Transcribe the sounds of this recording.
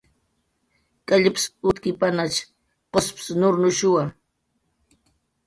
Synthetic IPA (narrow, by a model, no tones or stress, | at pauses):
kʼaʎɪpɪ̥sʊt̪kɪpanat͡ʃ | qospɪ̥snʊɾnʊʃʊwa